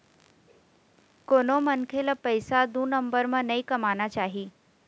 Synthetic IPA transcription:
konomənkʰelapəjsad̪uːnəmbəɾmənəikəmanat͡ɕaɦiː

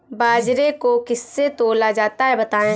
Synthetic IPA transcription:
baːd͡ʒɾekokɪsːet̪oːlad͡ʒaːt̪aɦɛbɐt̪aːẽː

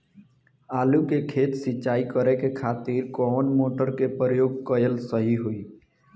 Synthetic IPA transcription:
aːlukekʰeːt̪sɪt͡ʃaːikəɾekekʰaːt̪iɾkɔːnmoːʈəɾkepəɾəjoːɡ̚kəjəlsəɦiɦoi

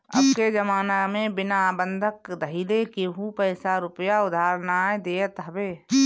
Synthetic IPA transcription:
ɐ̰bked͡ʒəmaːnamẽbɪnabə̃nd̪ʱəkd̪ʱəɦilekeɦupəːsaɾʊpəjaʊd̪ʱaːɾnaːed̪eːət̪ɦəbeː

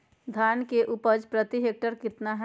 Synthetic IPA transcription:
d̪ʱaːnkeʔupəd͡ʒpɾət̪iɦeːk̚ʈəɾkɪt̪naɦɛ

